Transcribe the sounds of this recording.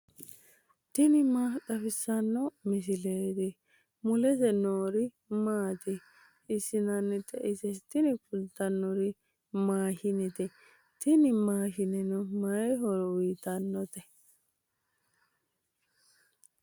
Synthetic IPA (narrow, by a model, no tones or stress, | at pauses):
t̪ɪnɪmaːd̪ɐfɪsːɐnːɔmɪs̬ɪleːt̪ɪ | mʊlɛt̪ɛnoːɾɪ | maːt̪ɪ | ɪsɪnɐnːɛt̪ɛʔɪsɛt̪ɪnɪkʊlt̪ːɐnːɔɾɪ | maːhɪnɛt̪ɛ | t̪ɪnɪmaːʃɪnɛnɔmɐjɛɦɔɾɔwiːt̪ɐnːɔt̪ɛ